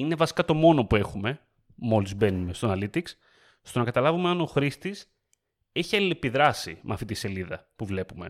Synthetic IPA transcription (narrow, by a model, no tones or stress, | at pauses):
ine̞vɐsi̥kɐt̪o̞mo̞no̞pue̞xume | mo̞lizbe̞nume̞st̪onɐlit̪iks | st̪o̞nɐkɐt̪ɐlɐvumeɐno̞xɾist̪is | e̞çiɐlile̞piðɾɐsimeɐft̪it̪ise̞liðɐ̰puvle̞pume̞̰